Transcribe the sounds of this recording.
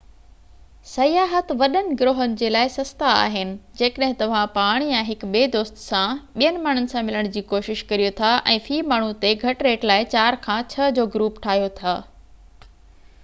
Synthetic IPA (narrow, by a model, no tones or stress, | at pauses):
sɐjaːɦət̪ʋɐɗənɪ̆ɡɾoːɦənɪ̆d͡ʑeːlaːɪsɐst̪aa̰ːɦɪnɪ̆d͡ʑeːkəɗɦɪ̃t̪ɐʋ̤ãpaːɽ̃jãɦɪkɓeːd̪oːst̪sãɓijənɪ̆maːɳ̤ʊnɪ̆sãmɪləɽ̃d͡ʑiːkoːʃɪʃkɐɾijot̪ʰaʔɛ̃ːfiːmaːɳ̤ut̪eɡʱɐʈɾeːʈlaːɪt͡ɕaːɾkʰãːt͡ɕʰɐd͡ʑoːɡɾuːpʈʰaːɦijot̪ʰaː